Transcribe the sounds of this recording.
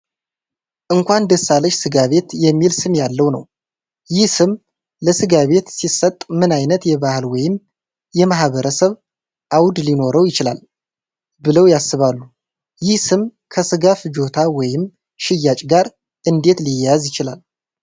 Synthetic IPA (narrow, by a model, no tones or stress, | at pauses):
ʔɨŋkʷʰand̪əsːaləʃsɨɡaβe̞t̪jɛmːilsɨmjalːəwnə̰w | jɪhsɨm | ləsɨɡaβe̞t̪sisət̪ʼmɨnajnət̪jɛβahɨlwɔjɪm | jɛmahβəɾəsəβ | ʔawd̪lino̞ɾəwjɪt͡ʃɪla̰l | bɨləwjasːɨβalːu | jɪhsɨm | kʰəsɨɡafd͡ʒo̞t̪ʰawɔjɪm | ʃɪjːat͡ʃʼɡaɾ | ʔɨnd̪e̞t̪lijjazjɪt͡ʃɪlal